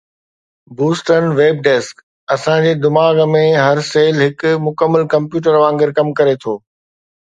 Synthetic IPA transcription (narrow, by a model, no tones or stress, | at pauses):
buːsʈənʋeːb̚ɖeːsk | ɐsãd͡ʑeːd̪ɪmaːɡmẽɦɐɾseːlɦɪkʊmʊkəmːəlkɐ̃mpjuːʈ̬əɾʋãːŋɡɪɾkɐmkɐɾet̪ʰoː